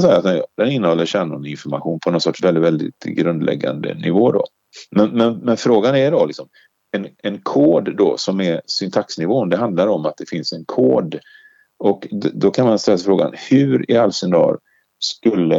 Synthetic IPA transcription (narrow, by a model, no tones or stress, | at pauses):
nsɛjəɾat̪nɛd̪ɛnɪnːəhɔlːəɾɕɛnʊnɪnfɔɾmaɧuːnpʰɔnɔnsɔʈʂvɛlɪt̪vɛld̪ɪ̰t̪ɡɾɵnd̪lɛ̰ɡːa̰nd̪ə̰nɪvoːd̪ɔ̰ | mɛnmɛnmɛnfɾoːɡanɛɖɔlɪksɔm | ɛnɛnkʰoːd̪d̪ɔ̰sɔmɛɾsʏnt̪ʰaksnɪvoːnd̪ɛɦand̪laɾɔmat̪̚d̪ɛfɪnsɛnkʰoːd̪ | ɔkd̪ɔkʰanmanst̪ɛlːas̬ɪfɾoːɡa̰nhʉːɾɪalsɛnd̪ɑ̰ːɾ | skɵlːə